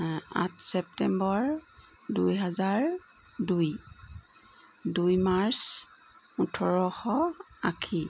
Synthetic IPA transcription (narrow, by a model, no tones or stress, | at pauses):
a̰tʰsɛptɛmbɔɹ | dujɦazaɹ | duj | dujmaɹs | utʰɔɹɔxɔ | akʰi